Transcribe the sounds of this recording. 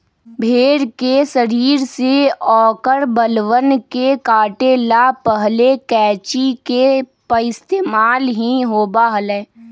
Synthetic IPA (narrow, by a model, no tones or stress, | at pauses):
bʱeːɾkesəɾiːɾseɔːkəɾbəlʋənkekaːʈelapəɦlekɛːt͡ʃikepəɪst̪eːmaːlɦiɦoːbaɦəlɛː